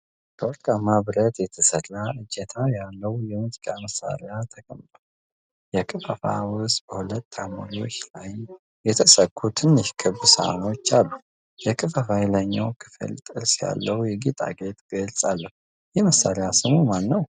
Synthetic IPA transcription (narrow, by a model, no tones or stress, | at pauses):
t̪ʰəɾkʼamaβɾət̪jɛt̪ʰəsəlaʔɨd͡ʒɛt̪ʰajalːəwjɛmɨzikʼaməsːa̰ɾejat̪ʰəkʼəmt̪ʼo | jɛkʼɨfəfa̰wʊsbəhulət̪ːamo̰niwɔʃlaj | jɛt̪ʰəsəkʰːut̪ʰɨnːɨʃkʰɨβsa̰no̞t͡ʃːalːu | jɛkʼɨfəfajləɲːa̰wkʰɨ̥fɨ̰lt̪ʼɨ̰ɾsja̰lːəwjɛɡit̪ʼa̰ɡe̞t̪ɡəlsʼalːəhu | jɛməsːaɾejasɨmumanːəw